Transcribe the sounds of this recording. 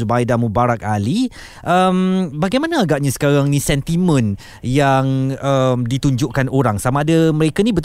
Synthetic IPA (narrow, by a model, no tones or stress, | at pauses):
ubajdamubaɾak̚ali | ʔəmbaɡajmãnaːɡaʔɲasə̥kaɾaŋnĩsɛnt̪imə̃n | jaŋəmdit̪uɲd͡ʒʊʔkanoɾaŋsamaːdaməɾekanĩbət̪